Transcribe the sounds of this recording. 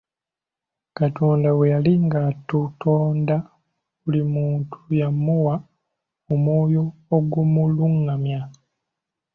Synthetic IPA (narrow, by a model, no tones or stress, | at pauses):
katoːndawejaliŋɡatutʰoːnda | βulimuːntʰujamuwa | omoːjoːɡumuluŋːamja